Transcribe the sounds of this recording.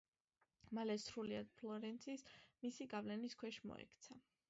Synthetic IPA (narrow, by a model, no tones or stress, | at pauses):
malɛsɾuliad̪̚pʰlɔɾɛnt̪sʰismisiɡavlɛniskʰwɛʃimɔ̰ɛ̰kʰt̪sʰa